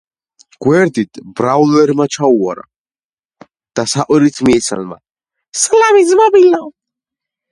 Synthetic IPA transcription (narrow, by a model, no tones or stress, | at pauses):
ɡ̥wɛɾd̪it̪ʰbɾawlɛɾmat͡ʃʰaua̰ɾa̰ | d̪̥asaqʼwɛɾit̪ʰmiɛt̪sʰa̰nma̰ | slamizmabilaw